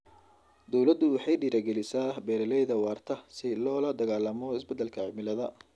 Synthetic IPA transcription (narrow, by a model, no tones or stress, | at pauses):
d̪ɔwlɐd̪ʊwɑħɑjɖiːɾaːɡɛlɪsaːbɛːɾɐlɛjðɐwɑːrt̪ʰɐsɪlɔːlɐd̪ɐɣaːlːɐmɔɪsbɛd̪ːɐlkʰɐʕɪmɪlɐðɐ